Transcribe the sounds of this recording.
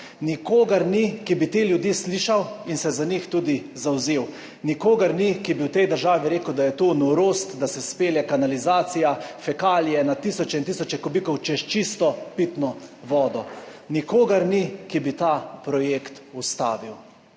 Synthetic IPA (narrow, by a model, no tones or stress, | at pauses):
nikoːɡaɾnikibit̪eːljud̪jiːsliːʃawinsɛzanixt̪uːd̪izawzeːw | nikoːɡɐɾnikibiwt̪ɛjd̪əɾʒaːʋiɾeːkəwd̪ajɛt̪onuɾoːst̪d̪asɛspeːljɛkanalizaːsijafɛkaːlijɛnat̪ːiːsɔt͡ʃɛint̪isɔt͡ʃɛkɔbiːkɔwt͡ʃɛʃt͡ʃist̪ɔpit̪nɔʋɔːd̪ɔnikoːɡɐɾnikibit̪apɾɔjekt̪ust̪a̰ːʋiw